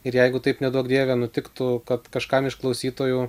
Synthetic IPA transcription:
ɪɾjɛɪɡʊt̪ɐɪpnʲɛd̪uɔkd̪ʲiɛʋʲɛnʊt̪ʲɪkt̪ʊkɐt̪kɐʃkɑmɪʃklˠɐʊsʲiːt̪oːju

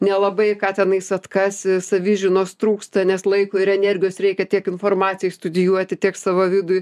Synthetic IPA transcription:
nʲɛlˠɐbɐɪkɑːt̪ʲɛnɐɪsɐt̪kɐssɐʋʲɪʒʲɪnoːst̪ɾuːkst̪ɐnʲɛslˠɐɪkoːɪɾɛnʲɛrʲɡʲɪjoːsrʲɛɪkʲɛt̪ʲiɛkɪnfoːrmɑːt͡sʲɪjɛːst̪ʊd̪ʲɪjuɔt̪ʲɪtʲiɛksɑʋoːʋʲɪd̪ʊj

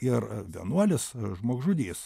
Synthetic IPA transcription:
ɪrʋʲḭɛnuɔlʲɪsʒmoɔɡʒʊd̪ʲiːs

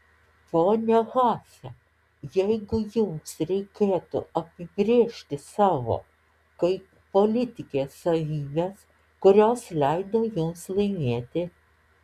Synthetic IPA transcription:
poːnʲɛɣɑːsʲɛ | jɛɪɡʊjʊmsɾʲɛɪkʲeːt̪ʊ̰ɐpʲɪɡɾʲiɛʃʲt̪ʲɪsɑːʋo̰ː | kɐɪ | poːlʲɪt̪ʲɪkʲeːsːɐʋʲiːbʲes | kʊɾʲoːslʲɛɪd̪oːjʊmslˠɐɪmʲeɛt̪ʲɪ

